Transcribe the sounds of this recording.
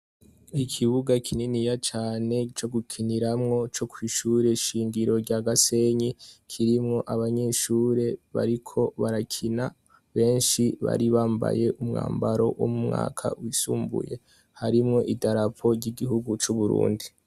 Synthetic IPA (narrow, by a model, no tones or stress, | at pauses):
ikʰiβuɡakʰininijat͡ʃaːne̞t͡ʃo̞ɡukʰiniɾamŋo̞t͡ʃo̞kʰwiːʃuɾe̞ʃiːŋɡiɾo̞ɾɟaːɡase̞ɲikʰiɾimŋo̞ʔaβaɲe̞ʃuːɾe̞βa̰ɾikʰo̞βaɾakʰina | βe̞ːnʃiβa̰ɾiβaːmba̰je̞ʔumŋa̰ːmbaɾo̞̰wo̰mumŋa̰ːkʰa̰wisuːmbṵje̞̰ | haɾimŋo̞ʔidaɾapʰo̞ɾɟiɡihuɡut͡ʃuβuɾṵːndi